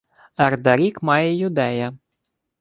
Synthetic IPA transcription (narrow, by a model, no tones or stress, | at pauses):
ɐrd̪ɐɾʲikmɑjɛjʊd̪ɛjɐ